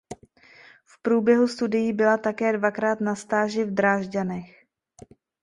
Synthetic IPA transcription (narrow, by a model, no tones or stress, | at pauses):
fpɾuːbjɛɦust̪udɪjibɪlat̪akɛːdvakɾaːt̪nast̪aːʒɪvd̪ɾaːʒɟanɛx